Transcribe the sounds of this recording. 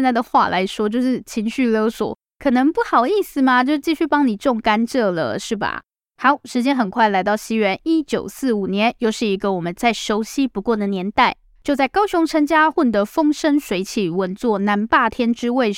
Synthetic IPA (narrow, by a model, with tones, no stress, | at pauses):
nt͡sa˥˩ɪd̪ə˩xwa̰˥˧lʔa̰˧˥ɪʂwɔ˥t͡ɕjo˥˧ʊʂɻ̩˥˩t͡ɕʰi˧˥ŋɕy˥˩ljo˧˥ʊswɔ̰˨˩˦ | kʰɤ˨˩nə˧˥ŋpu˥˩xɑ˨˩ʊi˥˩sɹ̩˩ma˨t͡ɕjo˥˧ʂ̩˥˩t͡ɕi˥˧ɕy˥˩pɑ˥ŋni˨˩ʈ͡ʂo˥˩ŋka˥nʈ͡ʂɤ˥˩lə̰˩ʂɻ̩˥˩ba̰˩ | xa˧˥ʊʂɻ̩˧˥t͡ɕjɛ˥nxə˨˩nkʰwa˥˩ɪla˧˥ɪt̪ɑ˥˩ʊɕi˥ɥɛ˧˥ni˥t͡ɕjo̰˨˩ʊsɹ̩˥˩u˨˩njɛ˧˥njo˥˧ʊʂɻ̩˥˩i˧˥ɡə˨wɔ˨˩mə˨˦nt͡sa˥˩ɪʂo˧˥ʊɕi˦˥pu˧˥kwɔ˥˩d̪ə˩njɛ˧˥nt̪a˥˩ɪ | t͡ɕjo˥˧ʊt͡sa˥˩ɪkɑ˥ʊɕʊ˧˥ŋʈ͡ʂʰə˥nt͡ɕja˥xwɔ˥˩t̪ə˧˥fɤ˥ŋʂə˥nʂwe˧˥ɪt͡ɕʰi˨˩wə˧˦nt͡swɔ˥˩na˧˥npa˥˩t̪ʰjɛ˥nʈ͡ʂɻ̩˥we˥˩ɪ